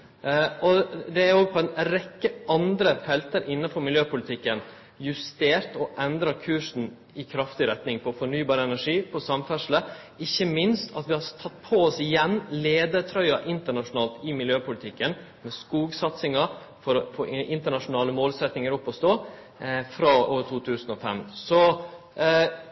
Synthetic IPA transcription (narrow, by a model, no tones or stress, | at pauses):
ɔd̪ɛæɾjoɡpʰɔɛnɾɛkːəʔɑnd̪ɾəfɛlt̪əɾʔɪnːɑfɔɾmɪljøːpʊlɪt̪ʰɪkːən | jʉst̪eːɾt̪ɔʔɛnd̪ɾɑkʰʉːʂn̩ | ɪkʰɾɑft̪ɪɾɛt̪nɪŋpʰɔfɔɳyːbɑːɾəɛnæʂiːpʰɔsɑmfæʂlə | ɪçːəmɪnst̪ʰɑ̰t̪ʋɪhɑɾt̪ʰɑt̪ːpʰɔɔsɪjɛnːleːd̪əɾt̪ʰɾœʏɑʔɪnt̪əɳɑʂʊnɑːlt̪ɪmɪljøːpʊlɪt̪ʰɪkːən | mɛskuːɡsɑt̪sɪŋɑ | fɔɾɔfoːʔɪnt̪əɳɑʂʊnɑːləmoːlsɛt̪nɪŋəɾɔpːɔst̪oː | fɾɑːʔoːt̪ʰuːt̪ʰʉːsnɔfɛmsɔ